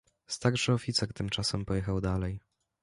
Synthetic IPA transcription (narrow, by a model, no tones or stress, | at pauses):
st̪aɾʂɘɔfʲit̪sɛɾt̪ɘmt͡ʂasɛmpɔjɛxawd̪alɛj